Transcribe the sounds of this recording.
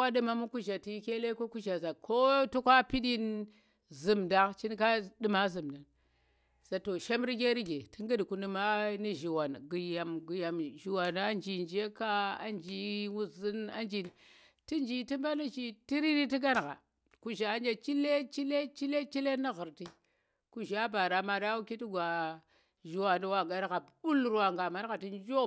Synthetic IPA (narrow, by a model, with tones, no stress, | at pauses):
a˦ɗi˦ma˦mu˦ku˦ʒa˨ti˦ke˦le˦ko˦ku˦ʒa˨za˨kʰo˦tu˦kʷa˦pi˦ɗi˦n | zi˨mda˦ŋt͡ʃi˦nka˦ɗi˦ma˦zu˨mda˨n | z̥a˨to˨ʃa˦m˦ɾi˦ɡe˦ɾi˦ɡe˨ti˦ŋɡi˦dku˦ni˨ma˦ni˦ʒi˨wa˨nɡi˨ja˨mɡi˨ja˨mʒi˨wa˨n˨a˦nd͡ʒi˨nd͡ʒe˦ka˦a̰˦nd͡ʒi˦wu˦zi˦na̰˦nd͡ʒi˨n˨ | ti˦nd͡ʒi˨ti˦mba˦ni˦t͡ʃi˦ti˦ɾi˦ni˦ti˦ɡa˦n˨ɣa̰˨ | ku˦ʒa˨˦nd͡ʒe˦t͡ʃi˦le˦t͡ʃi˦le˦t͡ʃi˦le˦t͡ʃi˦le˦na˦ɣu˨ɾti˦ | ku˦ʒa˦ba˨ɾa˨ma˨ɗa˦wu˦ki˦ti˦ɡʷa˨ | ʒi˨wa˨ndi˦wa˨ɡa˦n˦ɣa˨u˦lɾwa˨ŋɡa˨ma˦n˦ɣa˨ti˦n˦d͡ʒo˦